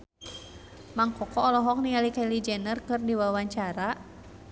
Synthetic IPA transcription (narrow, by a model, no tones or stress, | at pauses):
maŋkɔkɔːlɔɦɔk̚nialikalid͡ʒɛnərkɨrdiwawaɲt͡ʃaɾa